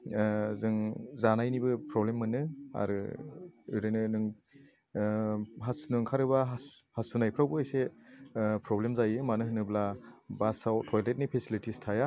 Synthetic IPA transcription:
zɯŋzanajnibɯpʰɾɔblemːɯnɯa̰ɾɯ | uɾɯjnɯnɯŋ | ɦasnɯŋkʰaɾɯbaɦhasunajpʰɾawbɯɔjse | pʰɾɔblemzajɯmanɯɦɯnɯblabasawtʰɔjlet̚nipʰesilitistʰaja

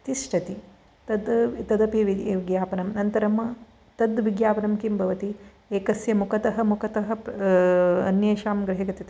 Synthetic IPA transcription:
t̪isʈʰɐt̪i | t̪ɐd̪t̪ɐd̪ɐpiʋiʋiɡjaːpɐnɐmnɐnt̪ɐɾɐmɐ | t̪ɐd̪ʋiɡjaːpɐnɐmkimbʱɐʋɐt̪i | eːkɐsjɐmukɐt̪ɐɦɐ̆mukɐt̪ɐɦɐ̆p | ɐnjeːʃaːmɡɾɐɦɐɡɐt̪it̪i

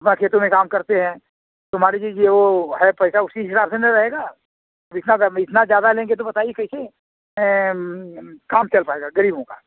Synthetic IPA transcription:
ɐpnakʰeːt̪õmẽkaːmkɐɾt̪eɦɛ̃ | t̪ʊm̤aːɾed͡ʒid͡ʒjeʋoɦɛpɛːsaʊsiɦɪsaːbsenəɾɐɦeːɡaː | ɐbɪt̪naɡɪt̪nazjaːd̪alẽːŋɡet̪obɐt̪aːiekɛise | ɛ̃ | kaːmt͡ʃɐlpaːeːɡaɡɐɾiːbõkaː

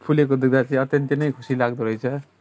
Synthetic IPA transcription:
pʰulek̬od̪uɡ̚d̪at͡sij̃ʌt̪jʌnt̪jenʌjkʰu̥silaɡd̪uɾʌjt͡sʰʌ

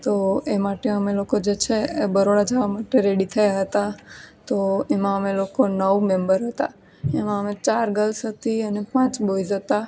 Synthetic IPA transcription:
t̪oemaʈeəmelokod͡ʒet͡ʃʰebəɾoɽad͡ʒaʋamaʈeɾeɽit̪ʰəjaɦət̪at̪oemãəmelokonəʋmẽmbəɾɦət̪a̰ | emãəmet͡ʃaɾɡəlsɦət̪iənepãt͡ʃboid͡ʒət̪a

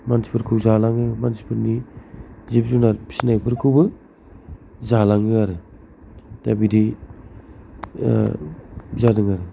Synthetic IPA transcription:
mansi̥pʰɯɾkʰɯwzalaŋɯmansi̥pʰɯɾni | zip̚zunaɾpʰi̥sinajpʰɯɾkʰɯwbɯ | zalaŋɯaɾɯ | d̥abidi | zadɯŋaɾɯ

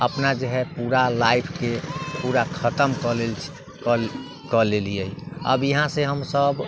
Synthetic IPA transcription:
əpnad͡ʒəɦɛpuɾalaipʰkepuɾakʰət̪əmkəlelʰ | kəlelijəiə̰bjəɦãseɦəmsəb

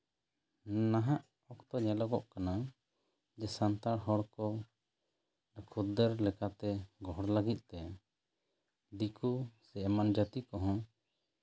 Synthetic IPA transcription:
naɦaʔ | ɔkt̪ɔɲɛlɔɡɔʔkana | d͡ʒɛsant̪aɽɦɔɽkɔ | akʰud̪əɾlɛkat̪ɛɡɔɦɔɽlaɡit̪̚ˀt̪ɛa | d̪ikusɛɛmand͡ʒat̪ikɔɦɔ̃

